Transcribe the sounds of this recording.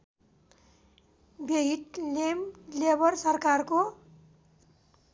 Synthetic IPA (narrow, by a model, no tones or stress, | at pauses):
beɦiʈlemlebʌrsʌrkarko